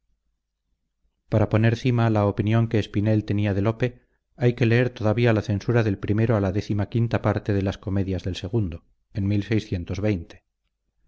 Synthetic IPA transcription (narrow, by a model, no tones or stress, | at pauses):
paɾapo̞ne̞ɾθimalaopinjo̞ŋke̞ːspine̞lt̪e̞niaðe̞lo̞pe̞ | ajke̞le̞e̞ɾt̪o̞ðaβialaθe̞nsuɾaðe̞lpɾime̞ɾoalaðe̞θimakint̪apaɾt̪e̞ðe̞lasko̞me̞ðjazðe̞lse̞ɣ̞und̪o̞ | e̞nmilsejsθje̞nt̪o̞zβe̞jnt̪e̥